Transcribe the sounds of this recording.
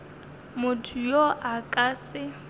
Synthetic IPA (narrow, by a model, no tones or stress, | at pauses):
mʊtʰujoʔakʼaːsɪ